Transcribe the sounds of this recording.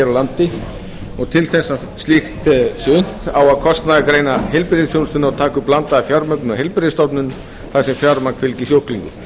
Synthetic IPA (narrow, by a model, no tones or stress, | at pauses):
ɛɾawlant̪ɪ | ɔɣt̪ʰɪlθɛsːa | slɪxt̪sʏn̥t̪awaðkʰɔst̪naðakɾeːjnaɦejlpɪɾɪsjownst̪ʏnaawt̪ʰaːkʏplant̪aafjaɾmœk̚nʏnaɦejlpɪɾɪst̪ɔpnʏn | θaðsɛmfjaɾmankʰfɪlcisjowhkliŋkʏ̰